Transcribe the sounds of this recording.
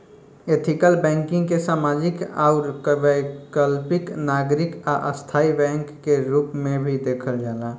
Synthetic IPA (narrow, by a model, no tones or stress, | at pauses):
et̪ʰɪkəlbɛ̃ːŋkɪ̃ŋɡkesaːmaːd͡ʒɪkaʊɾʋəkəlpɪknaːɡɾɪkaʔəst̪ʰaːibɛ̃ːŋkːeɾuːpmẽbʱid̪eːkʰəld͡ʒaːlaː